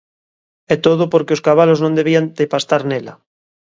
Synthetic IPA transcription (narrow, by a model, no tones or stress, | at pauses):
ɛt̪oð̞opoɾkeoskaβ̞aloznõnd̪eβ̞iand̪epast̪aɾnela̰